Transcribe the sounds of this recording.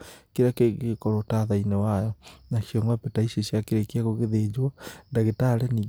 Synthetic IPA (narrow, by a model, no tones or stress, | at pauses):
keɾakeɣkɔɾotaðainewajɔnaʃijɔŋɡapetaiɕeɕjakeɾekeaɣoɣeðed͡ʑwandaɣetaɾɛni